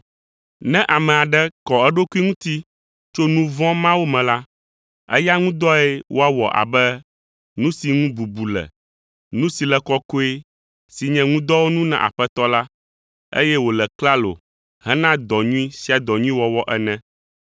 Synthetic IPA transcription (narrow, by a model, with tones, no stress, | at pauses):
nɛ̃˦ʔa˨mɛ̃˨a˨ɖɛ˦kɔ˨ɛ˦ɖo˦ku˦i˦ŋũ˦t̪i˦ | t͡ʃo˦nũ˦vɔ̃˦mã˦wo˦mɛ̃˨la˦ | ɛ̰˦ja˦ŋũ˦d̪ɔ˦ɛ˦wo˦a˦wɔ̰˨ʔa̰˨bɛ˦ | nũ˦si˨ŋũ˦bu˨bu˨lɛ̰˨ | nũ˦si˨lɛ˨kɔ˦ko˦e˦ | si˨ɲɛ̃˨ŋũ˦d̪ɔ˦wo˦nũ˦nã̰˨ʔa̰˨ɸɛ˦t̪ɔ˦la˦ | ḛ˦jɛ˦wo˨lɛ˨kla˦lo̰˨ | hɛ̃˦nã˦d̪ɔ˨ɲũ˦ĩ˦si˦a˨d̪ɔ˨ɲũ˦ĩ˦wɔ˨wɔ˦ʔɛ˦nɛ̃˦